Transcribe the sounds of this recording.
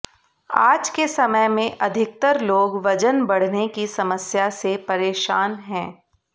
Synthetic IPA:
a̰ːd͡ʒkesɐməjmẽʔɐd̪ʱɪk̚t̪əɾloːɡʋɐd͡ʒənbɐɽ̤nekisɐməsjasepɐɾeːʃaːnɦɛ̃ː

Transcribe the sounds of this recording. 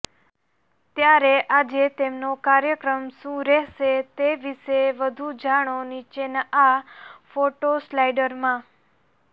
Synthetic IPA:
t̪jaɾeʔad͡ʒet̪emnokaɾjəkɾəmʃũɾɛɦʃet̪eʋiʃeʋəd̪ʱud͡ʒaɽ̃onit͡ʃenafoʈoslajɖəɾmã

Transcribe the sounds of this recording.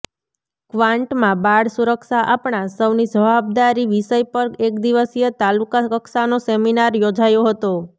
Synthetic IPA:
kʋãɳʈmãbaɽsuɾəkʃaʔapɳãsəʋnid͡ʒəʋab̚d̪aɾiʋiʃəjpəɾek̚d̪iʋəsijət̪alukaəkʃanoseminaɾjod͡ʒajoɦət̪o

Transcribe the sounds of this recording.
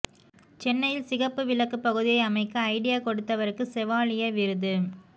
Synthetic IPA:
t͡ʃɛnːɐjɪlsɪɣɐpːɯʋɪlɐkːɯpːɐɣɯðɪjɐɪɐmɐɪkːɯɐɪɽɪjaːkɔɽɯt̪ːɐʋɐɾɯkːɯsɛʋaːɭɪjɐʋɪɾɯðɯ

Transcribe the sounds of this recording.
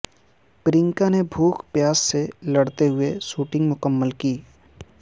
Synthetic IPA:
pɾɪ̃ŋkanebʱuːkʰpjaːsselɐɽt̪eɦʊeʃuːʈɪ̃ŋɡmʊkəmːəlkiː

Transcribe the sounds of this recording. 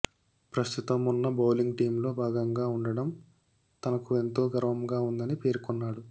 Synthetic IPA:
pɾɐst̪ʰut̪ɐmunːɐbɐwliŋɡʈiːmlo̞ːbʱaːɡɐŋɡaːuɳɖɐɽɐm | t̪ɐnɐkue̞nt̪o̞ːɡɐɾʋɐmɡaːund̪ɐnipe̞ːɾkɔnːaːɽu

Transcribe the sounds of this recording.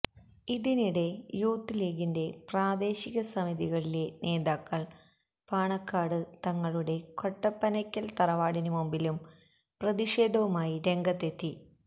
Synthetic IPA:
iðiniɽe̞juːt̪ːileːɣinde̞praːd̪e̞ːɕiɣɐsɐmiðiɣɐɭile̞nʔe̞ːðaːkːɐɭ | paːɳɐkːaːɽɨt̪ɐŋːɐɭuɽe̞ko̞ʈːɐpːɐnɐkʲːɐlt̪ɐrɐʋaːɽinumumbilum | prɐðiʂe̞ːd̪ʱɐʋumaːjiɾe̞ŋɡɐt̪ːe̞t̪ːi

